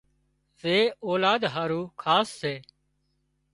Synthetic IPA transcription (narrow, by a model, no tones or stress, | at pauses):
seːoːlaːd̪ɦaːɾuːkʰaːsːeː